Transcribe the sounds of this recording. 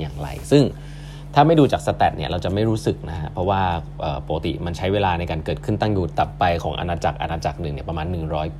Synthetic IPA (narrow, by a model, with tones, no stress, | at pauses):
jaː˨˩ŋɾa̰˧jsɯ˥˩ŋ | t̪ʰaː˥˩ma˥˩jduː˧t͡ɕaː˨˩k̚sa˧t̪ɛ˨˩t̪̚ni˥˩ɐɾa˧wt͡ɕa˨˩ʔma˥˩jɾuː˦˥sɯ˨˩k̚na˦˥kʰa˦˥pʰɾɔ˦˥waː˥˩ | ʔɤː˨˩poː˨˦˩ka˧t̪ḭ˨˩ma˧nt͡ɕʰa˦˥jweː˧laː˧na˧jkaː˧nkɤː˨˩t̪̚kʰɯ˥˩nt̪a˥˩ŋjuː˨˩t̪ːa˨˩pːa˧jkʰɔː˩˦ŋʔa̰˧naː˧t͡ɕa˨˩k̚ʔa̰˧naː˧t͡ɕa˨˩k̚nɯ˨˩ŋni˦˥ɐpɾa˧maː˧nːɯ˨˩ŋɾɔː˦˥j